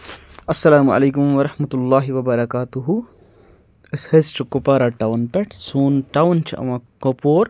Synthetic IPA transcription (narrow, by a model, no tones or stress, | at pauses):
ɐsːɐlaːmʔɐ̰leːkʊmʋɐɾɐħmɐt̪lːaːɦiʋɐbɐɾɐkaːt̪uɦu | ɪshest͡ʃʰukːʊpaːɾaʈawnpɛʈʰsuːnʈawnt͡ʃʰḭʔɐ̰mãkopoːɾ